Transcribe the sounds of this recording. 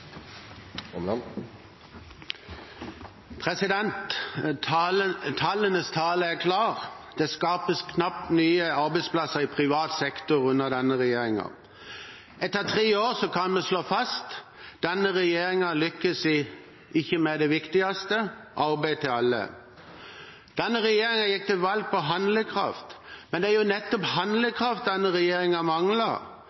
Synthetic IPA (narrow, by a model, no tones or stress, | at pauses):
pʰʁɛsɪd̪ɛnt̪ | t̪ʰɑlənəst̪ʰɑːləæʁkʰlɑːʁd̪̥ɛːskɑːpəskʰnɑp̚t̪nyːəɑʁbɛɪspʰlɑsəʁɪpʰʁɪʋɑːt̪sɛkt̪ʊʁʉnːəʁd̪ɛnːəʁɛjeːʁɪŋɑ̰ | ɛt̪ːəʁt̪ʰʁeːoːɾsɔkʰɑnmɛsloːfɑst̪d̪̥ɛnːəʁɛjeːɾɪŋɑlʏkːəsɪ | ɪçːəmɛd̪ɛʋɪkt̪ɪɑst̪əʔɑɾbæɪt̪ʰɪlɑlːə̰ | d̪̥ɛnːəʁɛjeːɾɪŋɑjɪk̚ːt̪ʰɪlʋɑlɡ̚pɔɦɑnd̪ləkʰʁɑ̰ft̪mɛnd̪ɛæɾjʊnɛt̪ːɔphɑnd̪ləkʰɾɑft̪̚d̪ɛnːəʁɛjeːɾɪŋɑmɑŋlɑ